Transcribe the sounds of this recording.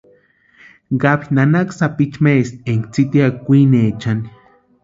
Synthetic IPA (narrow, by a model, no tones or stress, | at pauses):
ɡapinanaksapit͡ʃmest̪̚eŋkt͡sit̪iakkːʷinet͡ʃani